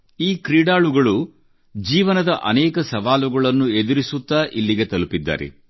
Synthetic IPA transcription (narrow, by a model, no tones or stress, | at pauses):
iːkɾiːɽaːɭuɡɐɭu | d͡ʒiːʋɐnɐd̪ɐʔɐ̰nɛːkɐsɐʋaːluɡɐɭɐnːued̪uɾisut̪ːaːʔilːiɡe̞t̪ɐlupid̪ːa̰ːɾḛ